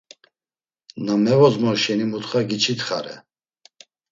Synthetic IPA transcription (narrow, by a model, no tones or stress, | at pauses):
namɛvɔzmɔɾʃɛnimut̪χaɡit͡ʃʰit̪χaɾɛ̰